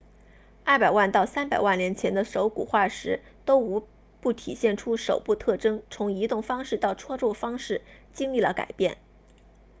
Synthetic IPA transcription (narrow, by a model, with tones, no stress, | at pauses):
ɐ˥˩pa˨˩ɪwa˥˧nt̪ɑ˥˩ʊsa˥npa˨˩ɪwa˥˩nljɛ˧˥nt͡ɕʰjɛ˧˥nd̪ə˧ʂo˧˥ʊkṵ˨˩xwa˥˩ʂɻ̩˧˥ | t̪o˥ʊu˧˥ | pu˥˩t̪ʰi˨˩ɕjɛ˥˩nʈ͡ʂʰu˥ʂo̰˨˩ʊpu˥˧t̪ʰɤ˥˩ʈ͡ʂɤ˥ŋt͡sʰʊ˧˥ŋi˧˥t̪ʊ˥˩ŋfɑ˥ŋʂɻ̩˥˧t̪ɑ˥˩ʊʈ͡ʂʰwɔ˥ʈ͡ʂɔ˥˩fɑ˥ŋʂɻ̩˥˩t͡ɕi˥ŋli˥˩lə̰˩ka̰˨˩ɪpjɛ˥˩n